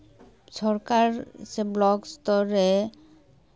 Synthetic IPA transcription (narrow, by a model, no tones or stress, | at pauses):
sɔɾkaɾseblɔkst̪ɔɾe